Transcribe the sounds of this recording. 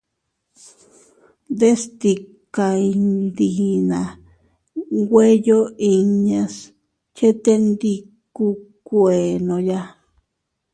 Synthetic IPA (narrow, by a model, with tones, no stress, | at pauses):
nd̪e˦st̪i˧˨ka˧i˧nd̪i˨nã˨ | ɡwe˦jo˦i˧ɲã˧s | t͡ʃe˦t̪e˦nd̪i˧ | ku˧ | kʷe˨nõ˧ja˧